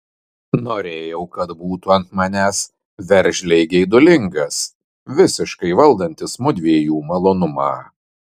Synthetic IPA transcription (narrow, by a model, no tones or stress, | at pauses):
noːɾʲeːjɛʊkɐt̪buːt̪uːɐnt̪mɑnʲæːs | ʋʲɛɾʲʒʲlʲɛɪɡʲɛɪd̪ʊlʲɪŋɡɐs | ʋʲɪsʲɪʃkɐɪʋɐlˠd̪ɐnʲt̪ʲɪsmʊd̪ʲʋʲiːjuːmɐlˠoːnʊmɑ̰ː